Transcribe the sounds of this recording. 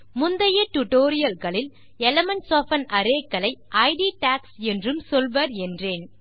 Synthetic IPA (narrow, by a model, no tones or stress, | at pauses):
mʊnd̪ɐjɐʈʊʈoːɾɪjɐlɣɐɭɪl | ɛlɐmɐnsoːfɐnɐɾeːkːɐlɐɪʔɐɪɖiʈaːksɛndrɯmsɔlʋɐːɾɛndreːn